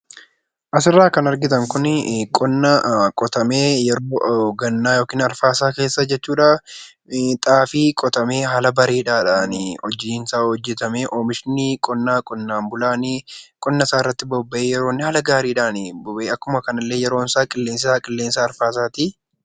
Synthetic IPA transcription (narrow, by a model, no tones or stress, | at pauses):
ʔɐsɪrːaːkɐnɐɾɡɪt̪ɐŋkʊnkʼɔnːɐkʼɔt̪ɐmeːjɛɾoːɡɐnːaːjoːkiːnɐɾfaːsaːke̞ːsːɐd͡ʒɛt͡ʃːuːᶑaː | t̪ʼaːfiːkʼɔt̪ɐme̞ːɦɐlɐbɐɾeːᶑaːᶑaːnɪɔd͡ʒiːnsaːhɔd͡ʒːɛt̪ɐmeːʔoːmɪʃnikʼɔnːaːkʼɔnːaːmbʊlaːnikʼɔnːɐsaːɪrːɐt̪ːɪbɔbːɐʔeːjɛɾo̞ːnːɪhɐlɐɡaːɾiːᶑaːnɪbɔbeːɐkːʊmɐkɐnɐlːe̞ːjɛɾo̞ːnsaːkʼɪlːeːnsɪsaːkʼɪlːe̞ːnsaːɾfaːs̬aːt̪i